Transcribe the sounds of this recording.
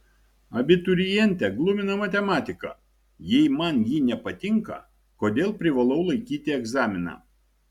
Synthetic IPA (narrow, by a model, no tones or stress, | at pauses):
ɐbʲɪt̪ʊɾʲɪjɛnʲt̪ʲɛɡlˠʊmʲɪnɐmɐt̪ʲɛmɑːt̪ʲɪkɑ̰ː | jɛɪmɐnjiːnʲɛpɐt̪ʲɪŋkɐ̰ | koːd̪ʲeːlˠpʲɾʲɪʋɐlˠɐʊlˠɐɪkʲiːt̪ʲɪɛɡzɑːmʲɪnɑ̰ː